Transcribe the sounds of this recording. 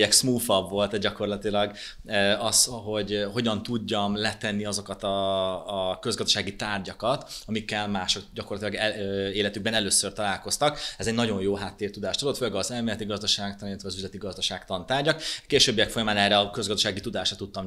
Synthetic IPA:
ɛksmuːfɒbvo̞lt̪ɛɟɒko̞rlɒt̪ilɒɡ | øɒsɦo̞ɟho̞ɟɒnt̪uɟːɒmlɛt̪ɛnːiɒzo̞kɒt̪ɒː | kø̞zɡɒzd̪ɒ̥ʃaːɡit̪aːrɟɒkɒt̪ɒmikːɛlmaːʃo̞kɟɒkorlɒt̪ilɒɡɛeːlɛt̪yɡ̚bɛnɛløːsørt̪ɒlaːlko̞st̪ɒkɛzɛɟnɒɟo̞njjoːɦaːt̪ːeːrt̪ud̪aːʃt̪od̪ot̪følɛɡɒzɛlmeːlɛt̪iɡɒzd̪ɒʃaːk̚t̪ɒnilːɛt̪ʋɛɒzyzlɛt̪iɡɒzd̪ɒʃaːkt̪ɒnt̪aːrɟɒkkeːʃøːbːijɛkfo̞jɒmaːnɛːrːɛɒkø̞zɡɒzd̪ɒʃaːɡit̪ud̪aːʃrɒt̪ut̪ːɒm

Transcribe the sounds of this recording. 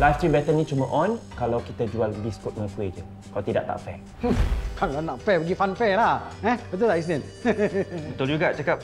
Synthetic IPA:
lajfst̪ɾibɛt̪ənĩt͡ʃuməʔɔ̃nkalawkit̪ad͡ʒualbiskut̪̚ŋəfued͡ʒə | kalat̪ida̰ʔ̚t̪a̰ʔfɛ̰ʔ | kʰalanaʔfɛbəɡifanfɛlaɛ̃bət̪ut̪aʔis̬nɛ̃n | bət̪ʊld͡ʒuɡat͡ʃakap̚

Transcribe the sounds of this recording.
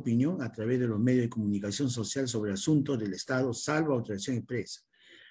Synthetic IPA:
pinjo̞ŋat̪ɾaβe̞zðe̞lo̞zme̞ðjozðekomunikasjo̞ns̬o̞sjals̬o̞β̞ɾeasunt̪ozðe̞lest̪að̞osalβoawt̪oɾasjoŋempɾesḁ

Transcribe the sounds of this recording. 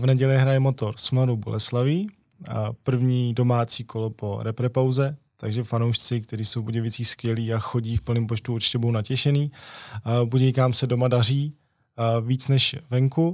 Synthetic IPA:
vnɛɟɛlɪɦɾajɛmo̞t̪o̞ɾsmladowbo̰lʔɛslaviː | pr̩vɲiːdo̞maːt͡siːkʰo̞lopo̞ɾɛpɾɛpawzɛ | t̪aɡʒɛfanowʃt͡sɪkt̪ɛɾiːsowpoɟɛvɪt͡siːskvjɛliːaxoɟiːfpl̩niːmp̬ot͡ʃt̪uot͡ʃcɛbudownacɛʃɛniː | buɟɛjkamsɛdo̞madar̝iː | viːt͡snɛʃvɛŋku

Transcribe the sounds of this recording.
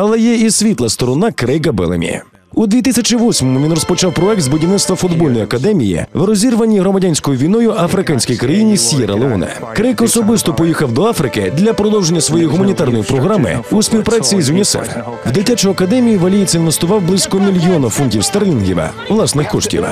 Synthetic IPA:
ɐlˠɛjɛisʲʋʲit̪lˠɐst̪ɔɾɔnɑkɾɪjkɐbɪ̰lˠḛmʲḭ | ud̪ʋʲit̪ɪsʲɐt͡ʃiʋɔsʲmɔmʊʋʲinrɔspɔt͡ʃɑwpɾɔɛk̚t̪zbʊdʲiʋnɪt̪t̪ʋɐfʊd̪bɔlʲnɔjɐkɐd̪ɛmʲijḭʋɾɔzʲirʋɐnʲːiɦɾɔmɐdʲanʲsʲkɔjʊʋʲijnɔjʊʔɐfɾɪkanʲsʲkɔjikɾɐjinʲisʲjɛɾɐ̰lˠeunɛ̰ | kɾɪjkɔsɔbɪst̪ɔpɔjixɐwd̪ɔafɾɪkɪ̰d̪lʲɐpɾɔd̪ɔwʒenʲːɐsʋɔjɛjiɦʊmɐnʲit̪arnɔjipɾɔɦɾamɪ̰uspʲiwpɾat͡sʲijizʊnʲisɛ̰f | wd̪ɪtʲat͡ʃɔjɐkɐd̪ɛmʲijiʋɐlʲijisʲinʋest̪ʊʋɑwblˠɪsʲkɔmʲilʲjɔnɐfunʲtʲiwst̪ɐrlʲinɦʲḭʋɐ̰ | ʋlˠɑsnɪxkɔʃtʲḭʋ̰

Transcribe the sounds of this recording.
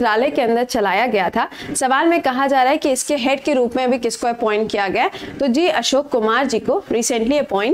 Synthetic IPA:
ɾaːlekeɐ̃nd̪əɾt͡ʃɐlaːjaɡɐjat̪ʰaːsɐʋaːlmẽkɐɦad͡ʒaːɾaːɦɛkiɪskeɦɛːɖ̚keɾuːpmẽɐbʱikɪskoɛpɔ̃ːɪ̃ɳʈkijaɡɐjat̪od͡ʒiːɐʃoːkːʊmaːɾd͡ʒiːkoɾiːsə̃ɳʈliɛpɔːɪ̃ɳʈ

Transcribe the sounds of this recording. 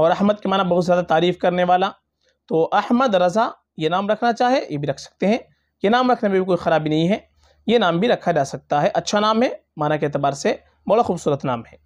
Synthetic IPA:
ɔːɾɐɦməd̪̚kemaːnabɐɦʊt̪zjaːd̪at̪aːɾiːfkɐɾneʋaːla | t̪oːʔɐhməd̪ɾɐza | jenaːmɾɐkʰnat͡ʃaːɦiejebʱiɾɐkʰsɐ̥k̚t̪eɦɛ̃ | jenaːmɾɐkʰnemebʱikoːixɐɾaːbʱinɐɦĩɦɛ | jenaːmbʱiɾɐkʰad͡ʒaːsɐk̚t̪aɦɛʔɐtːʃʰanaːmɦɛmaːnakeeːt̪ɪbaːɾse | bɐɽaxuːbsuːɾət̪naːmɦɛː

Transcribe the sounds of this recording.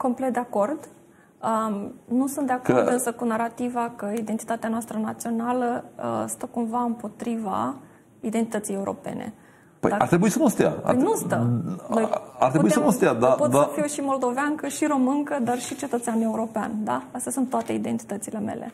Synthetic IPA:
ko̞mplet̪d̪eako̞rd̪ | ənusunt̪d̪eakod̪ɨnsəkunaɾat̪ivakəid̪ent̪i̥t̪at̪eanoast̪ɾənat̪sio̞naləə̰st̪əkumvaɨmpo̞t̪ɾiva̰ | id̪ent̪i̥t̪ət̪sije̞uɾo̞̰pe̞̰nʔḛ | pə̰jd̪aaɾt̪ɾebuisəmost̪ea̰a̰jnustt̪ənoja̰ɾrt̪ɾeubuiesəmost̪ead̪apot̪afiwuʃimo̞ld̪o̞veaŋkəʃiɾo̞mɨŋkəd̪arʃit͡ʃe̞t̪ət̪seane̞uɾo̞pea̰nʲd̪aast̪ʲjasunt̪ːoat̪e̞id̪e̞nt̪i̥t̪ət̪sile̞me̞̰lʔe̞̰

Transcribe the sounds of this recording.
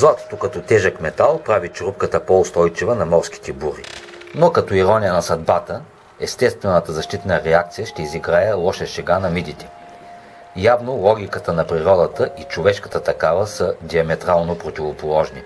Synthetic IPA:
zlˠat̪o̥t̪okɐt̪ɔt̪ɛʒəkmɛt̪alˠpɾavit͡ʃɾup̚kət̪əpoʊst̪ɔjt͡ʃivənɐmɔɾskʲi̥t̪ɛbuɾi | nokɐt̪ɔiɾɔnijənɐsɐd̪bat̪ə | ɛst̪ɛst̪vɛnət̪əzɐʃt̪it̪nəɾɛak̚t̪sijəʃt̪ɛiziɡɾajɛlˠɔʃɛʃɛɡanɐmid̪it̪ɛ̥ | javnolˠɔɡ̟ʲikət̪ənɐpɾiɾɔd̪ət̪əʔit͡ʃovɛʃkə̥t̪ət̪ɐkavəsəd̪iɐmɛt̪ɾalˠnopɾot̪ʲivopolˠɔʒni

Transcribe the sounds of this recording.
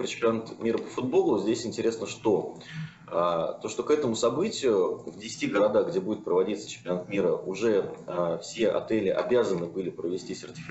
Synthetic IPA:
pɾət͡ɕɪ̥mpʲɪnat̪mʲiɾəpə̥fʊd̪̚bo̞lˠʊzʲdʲesʲɪnʲtʲɪɾʲe̞snəʂt̪o̞ | at̪oʂt̪okɛt̪əmʊsɐbɨtʲɪjʊvdʲɪsʲɪ̥tʲiɡəɾɐd̪axɡdʲe̞budʲɪt̪̚pɾəvɐdʲit̪sə̥t͡ɕɪ̥mpʲɪnat̪mʲiɾəʔʊʐɛfsʲe̞ʔɐ̰t̪ɛlʲɪʔɐ̰bʲazənɨbɨlʲɪpɾəvʲɪsʲtʲisʲɪrtʲɪ̥f

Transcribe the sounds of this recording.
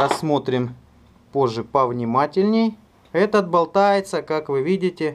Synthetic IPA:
ɾɐsːmo̞t̪ɾʲɪm | po̞ʐːɨpəvnʲɪmatʲɪlʲnʲɪj | ɛt̪əd̪̚bɐlˠt̪ajɪt̪səkakvɨvʲidʲɪtʲɪ

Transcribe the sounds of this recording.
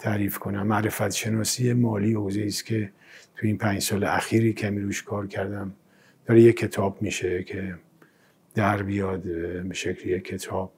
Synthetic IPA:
t̪ʰæɾiːfkʰo̞næmːæʔɾefæt̪ʃe̞nɒːsijemɒːliːhozeiːst̪kʲʰe̞ | t̪ʰujiːnpʰæːɲd͡ʒsɒːleʔæxiːɾiːkʰæmiɾuʃkʰɒːɾkʰæɾd̪æm | d̪̥ɒːɾejekʰːe̞t̪ʰɒːbmiʃekʰe̞ | d̪̥æɾbijɒd̪beʃecʰlejekʰːe̞t̪ʰɒːb̥̚

